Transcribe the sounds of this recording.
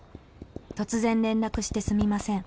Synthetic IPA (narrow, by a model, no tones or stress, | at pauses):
t̪o̞t͡sɨzẽ̞nɾẽ̞nɾakɯ̟ɕi̥t̪e̞sɨmʲimasẽ̞ŋ